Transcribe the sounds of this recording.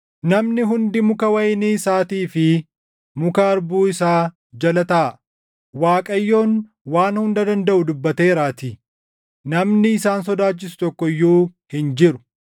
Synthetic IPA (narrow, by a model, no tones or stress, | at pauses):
nɐmnɪɦʊnd̪ɪmʊkɐwɐjɪniːsaːt̪iːfɪ | mʊkɐɐɾbuːɪsaː | d͡ʒɐlɐt̪ɐʔɐ | waːkʼɐjːo̞ːn | waːnhʊnd̪ɐd̪ɐnd̪ɐʔʊd̪ʊbːɐt̪e̞ːɾaːt̪ɪ | nɐmnɪːsaːns̬ɔd̪aːt͡ʃːɪs̬ʊ̥t̪ɔkːɔjːuːhɪnd͡ʒɪɾʊ̥